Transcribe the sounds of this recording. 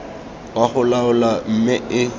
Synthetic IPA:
waχʊlaʊlam̩mɪɪ

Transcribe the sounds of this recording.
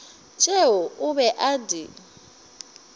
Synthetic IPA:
t͡ʃʼeɔʊβɛʔadi

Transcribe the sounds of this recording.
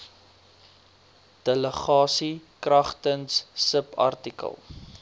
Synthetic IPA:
d̥ələχɑːsikrɐχtənsːəpɐ̰rtikə̰lˠ

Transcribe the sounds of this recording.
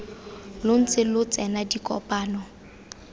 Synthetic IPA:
lʊn̩t͡sʼɪlʊt͡sʼɛnadikʼɔ̰pʼaːnɔ

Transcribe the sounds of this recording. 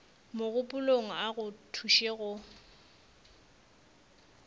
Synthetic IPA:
moɣʊpʼʊloŋ̩aɣʊtʰuʃeɣʊ

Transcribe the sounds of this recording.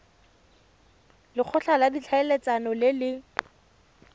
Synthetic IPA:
lɪk͡xʰɔɬaladit͡ɬʰaelet͡sanɔlɪlɪ

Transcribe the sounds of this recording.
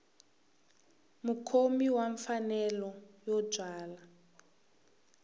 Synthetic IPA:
mukʰomiwaɱfanɛlɔjɔb͡ʐʱwaːla

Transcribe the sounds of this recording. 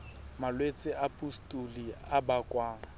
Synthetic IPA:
malwet͡sʼɪʔapʼustʼuliabakʼwaːŋ̩

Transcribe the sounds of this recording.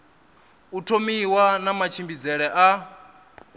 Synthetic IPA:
utʰomiwanamat͡ʃʰimbid͡zɛɺɛʔa

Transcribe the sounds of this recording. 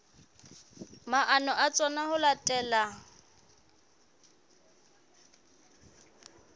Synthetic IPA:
maʔanɔʔat͡sʼɔnahʊlatʼɛːla

